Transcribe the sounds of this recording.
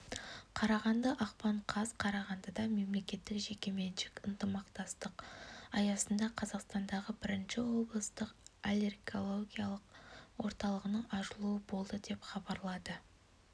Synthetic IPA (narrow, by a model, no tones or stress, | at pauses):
qʰɑɾɑʁɑnd̪ɑʔɑqpɑɴqʰɑzqʰɑɾɑʁɑnd̪əd̪ɑme̞mle̞kʲe̞t̪ːɪkʒe̞kʲe̞me̞nʒɪkʲənt̪əmɑqt̪ɑst̪əqɑjɑsənd̪ɑqʰɑzɑqst̪ɑnd̪ɑʁəbɪɾɪnʃɪwo̞blˠəst̪əqalʲe̞rɡo̞lˠoɡʲijɑlˠəqwo̞ɾt̪ɑlˠəʁənəɴɑʒəlˠuəbo̞lˠd̪əd̪e̞pχɑbɑɾlˠɑd̪ə